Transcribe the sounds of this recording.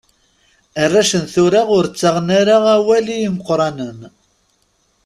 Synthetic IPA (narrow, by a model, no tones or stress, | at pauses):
ərːaʃənθʊɾaʁʊɾt͡sːaʁnaɾaʁæwælijiməqːɾˤɑnən